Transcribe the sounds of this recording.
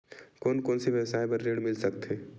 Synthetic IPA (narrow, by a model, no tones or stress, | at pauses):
koːnkoːnsiʋəʋsaːẽbəɾːeːɽmɪlsəkt̪ɦeː